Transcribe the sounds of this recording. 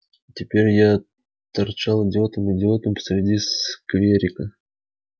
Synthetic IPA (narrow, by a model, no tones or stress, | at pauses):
tʲɪpʲeɾʲja | t̪ɐrt͡ɕalˠɪdʲɪot̪əmɪdʲɪo̞t̪əmpə̥sɾʲɪdʲiskvʲeɾʲɪkə